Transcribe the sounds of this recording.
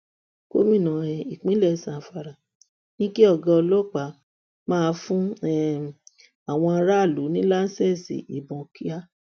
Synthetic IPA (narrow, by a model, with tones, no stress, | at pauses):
ko˦mĩ˦˨nã˨ɛ˨i˨k͡pĩ˨˦lɛ˦˨sã˨fa˨ɾa˨ | nĩ˦ki˦ɔ˦˨ɡɔ̃˧ɔ˧lɔ˦˨k͡pa˨˦ | mãː˦˧fũ˦ɛ˦˨ | a˨w̃ɔ̃˧a˧ɾa˦˨lu˨˦nĩ˦la˦n̩˦sɛ˦˨sḭ˨ḭ˨bɔ̃˨ki˦a˦